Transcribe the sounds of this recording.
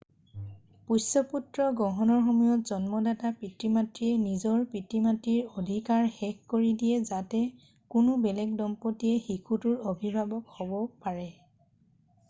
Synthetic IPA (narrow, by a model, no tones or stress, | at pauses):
pusɔputɹɔɡɔɦɔnɔɹxɔmujɔtzɔnmɔdatapɹitɹimatɹiɛnizɔɹpɹitimatːiɹodʱikaɹxɛkkoɹidijɛzatɛ | kʊnʊbɛlɛɡ̚dɔmpotijɛxikʰutʊɹobʱibʱabɔkhɔbɔpaɹɛ